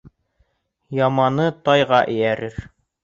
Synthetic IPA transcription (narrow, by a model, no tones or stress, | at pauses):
jɑmɑnɤt̪ɑjʁɑʔɘ̆jæɾɘɾ